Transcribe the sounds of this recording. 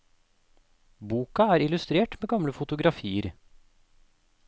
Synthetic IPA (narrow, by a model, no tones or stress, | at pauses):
buːkɑæːɾɪlʉst̪ɾeːʈmeːɡɑmləfʊt̪ʊɡɾɑfiːəɾ